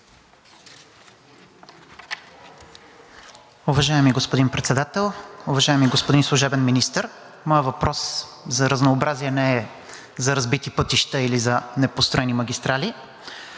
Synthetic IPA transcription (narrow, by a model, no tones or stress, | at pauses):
ʊvɐʒaɛmiɡospod̪inpɾɛt̪sɛd̪at̪ɛlˠʊvɐʒajɛmiɡospod̪inslˠʊʒɛbɛnminist̪əɾ | mɔjəvɐpɾɔs | zɐɾəznoːbɾaziɛnɛɛ | zɐɾɐzbit̪ipɤt̪iʃt̪əilizɐnɛpost̪ɾɔɛnimɐɡʲist̪ɾali